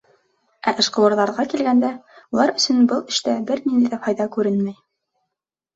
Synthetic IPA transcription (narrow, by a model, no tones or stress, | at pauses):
ʔæʔɘ̆ʃqɤ̆wɤ̆ɾðɑɾʁɑkilɡænd̪æulˠɑɾɵ̆sɵnbɤlˠɘ̆ʃt̪æbɘɾnind̪æjðæhɑjðɑkʉɾɘnmæj